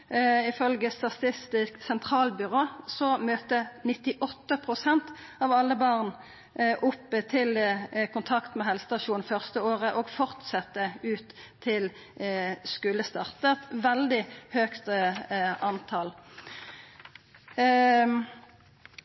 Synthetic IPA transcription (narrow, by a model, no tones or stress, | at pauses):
ɪfœlɡəst̪ɑt̪ɪst̪ɪsksɛnt̪ʰʁɑːlbʏʁoːsɔmøːt̪ənɪt̪ɪʔɔt̪ːəpʰʁʊsɛnt̪ | ɑːʋɑlːəbɑʁn | ʔʊpːət̪ʰɪlkʰʊnt̪ʰɑkt̪mɛɦɛlsə̥t̪ɑʃuːnfœʁst̪əoːʁəʔoɡfɔʁt̪sɛt̪ːəʉːt̪ʰː | ɪl | skʉləst̪ɑʁt̪əɛt̪ʋɛld̪ɪhøːkt̪ | ɑnt̪ʰɑl